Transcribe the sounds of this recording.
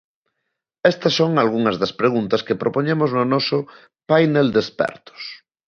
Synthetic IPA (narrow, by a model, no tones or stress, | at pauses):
ɛst̪ɐsːoŋalɣuŋɐzðɐspɾeɣ̞unt̪ɐskepɾʔopoɲemʊznʊnɔsʊ | pajneld̪espɛ̰ɾt̪ʊ̥s